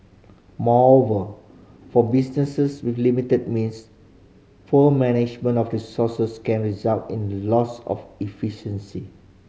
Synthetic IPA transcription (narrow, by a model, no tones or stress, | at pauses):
mɔɹovə | fɔbisnəsəswiflimitəd̚mĩns | fəmɛnɪd͡ʒmə̃ntɔfɹisɔsəskɛ̃nɹizaltḭ̃nlɔsɔ̰fifiʃə̃nsi